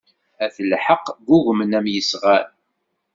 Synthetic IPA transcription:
æθəlħəqːɡʷuʝmənæmjəsʁaɾ

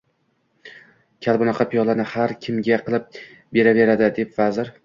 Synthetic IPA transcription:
kʲʰalˠbʊnɑqʰɑpʰijɒlˠanɪhaɾkʲʰɪmɡʲaqʰɨlˠɪp̚ | be̞ɾave̞ɾad̪ɪd̪e̞pvazɪɾ

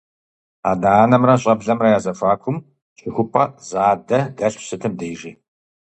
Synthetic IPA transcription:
a̰ːdaːnɐmrɐɕʼɐbɮɐmrɐjaːzɐfaːkʷʰʊm | t͡ʃʼʰɪxʷʊpʼɐzaːdɐɡɐɬsɨtʰɨmdeːjʒiː

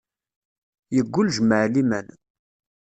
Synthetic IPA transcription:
jəɡʷːʊlʒməʕlimæ̰n

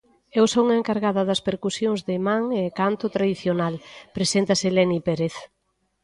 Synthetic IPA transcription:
ewsouŋɐeŋkaɾɣaðɐðɐspeɾkusjoŋzðɪmaŋekant̪ʊt̪ɾaðiθjonalpɾesent̪ɐselɛnipeɾeθ

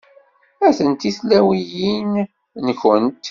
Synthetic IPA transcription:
æθənt̪islæwijin | nəçənt̪

